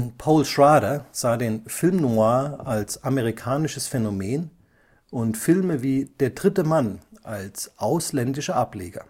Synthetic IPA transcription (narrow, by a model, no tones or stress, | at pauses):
pʰɔʊlʃʁaːɾɐz̥aːdeːnfɪlmnuaːɐʔalsʔaməʁ̞ikʰaːnɪʃəsfɛnomeːn | ʔʊntfɪlməviːd̥eːɐdʁɪtəmanʔalsʔaʊslɛndɪʃɐʔapleːɡɐ̰